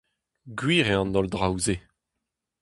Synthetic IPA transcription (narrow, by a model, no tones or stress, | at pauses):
ɡɥiːʁeɑ̃nɔldʁawze